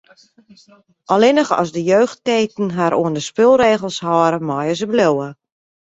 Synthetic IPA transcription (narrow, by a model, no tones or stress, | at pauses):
ʔɔlɪnəxɔ̰sdəjøːxt̚keːtn̩ɦaɾʔoəndəspɪlˠreːɣəlˠshɔːɾəmɔjəzəblowə